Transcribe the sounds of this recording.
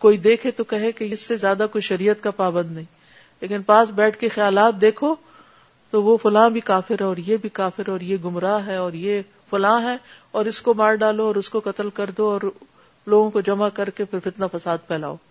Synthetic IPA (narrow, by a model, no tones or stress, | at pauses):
koːid̪eːkʰet̪okɐɦekejɪsːezjaːd̪akoːiʃɐɾiːət̪kapaːbə̃nd̪nɐɦĩː | leːkɪnpaːsbɛːʈʰkexjaːlaːt̪̚d̪eːkʰo | t̪oʋofʊlãːbʱikaːfɪɾɦɛɔːɾjebʱikaːfɪɾɔːɾjeɡʊmɾaːɦɛɔːɾje | fʊlãːɦɛː | ɔːɾɪskomaːɾɖaːloɔːɾʊskokɐt̪əlkɐɾd̪oɔːɾ | loːɡõkod͡ʒɐmakɐɾkefɪɾfɪt̪nafɐsaːd̪̚pʰɛːla̰ːoː